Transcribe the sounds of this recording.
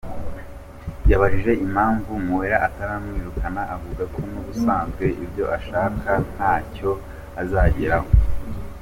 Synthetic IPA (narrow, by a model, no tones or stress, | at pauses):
jaβaʒiʒe̞ʔim̥haːɱvumuweɾaʔataɾamŋiːɾukʰanaavuɡakʰonuβusaːnzɡwe̞ʔibɟo̞ʔaʃaːkʰan̥haːco̞ | azaːɟeɾaho